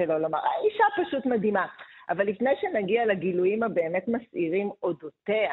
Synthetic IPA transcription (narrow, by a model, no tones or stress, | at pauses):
elo̞loma̰ʁaiʃapaʃutmadimaʔavalːifne̞jʃenaɡialaɡilujimabe̞ːme̞tmasiʁimo̞dotea